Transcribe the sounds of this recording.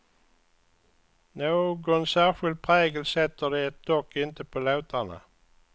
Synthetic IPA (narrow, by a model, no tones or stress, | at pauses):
noːɡɔnsæːʁɧʏlt̪̚pʰʁeːɡəlsɛt̪ːəd̪ɛɛt̪̚d̪ɔkːɪnt̪əpʰoːlaʊt̪ʰanə̰